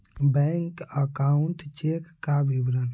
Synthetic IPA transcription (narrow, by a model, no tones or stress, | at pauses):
bɛŋkəkauntt͡ʃekːabibɾən